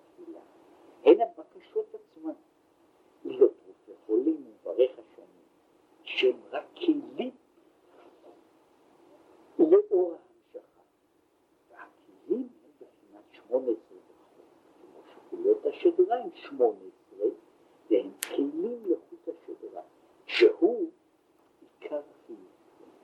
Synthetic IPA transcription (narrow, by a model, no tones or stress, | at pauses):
fila̰ | henhabakaʃo̞that͡smam | ilot̪ʁufeχolimuvaʁeχaʃanim | ʃehemʁakʰːelim | leʔoʁahamʃaχa | vehakʰelimhembeχinatʃmoneesʁebeχ | o | kʰemoʃekulothaʃedʁaimʃmonesʁe | vehemkʰejlimleχuthaʃedʁa | ʃehu | ikʰaʁaχijuv